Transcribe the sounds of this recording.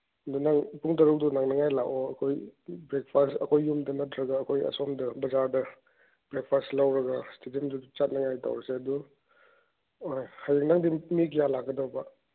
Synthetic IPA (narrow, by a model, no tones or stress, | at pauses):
ɐdunaŋpuŋtɐɾuk̚dunaŋnɐŋajlakoɐkʰojbɾek̚pʰastɐkʰojːumdɐnɐtʰɾɐɡaːkʰojɐ̰somdɐbɐzaɾdɐ | bɾek̚pʰastlawɾɐɡastedimdudut͡ʃat̚nɐŋajta̰wɾɐseɐdu | ojhajiknaŋdimik̬jalakɡɐdawbɐ